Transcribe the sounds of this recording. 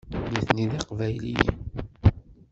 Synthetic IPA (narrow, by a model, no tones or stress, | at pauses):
miθniðɑqvæjlijḭn